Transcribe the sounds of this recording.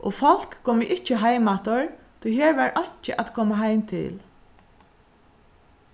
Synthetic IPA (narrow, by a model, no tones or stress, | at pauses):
ʔɔ̰fɔl̥kʰːɔːməʔɪt͡ʃːɪɦajmat̪ɔɹ | t̪ʰɔjɦeːɹvaɹʔɔɲ̥t͡ʃɪʔat̪kʰoːmaɦajmt̪ʰɪ̰l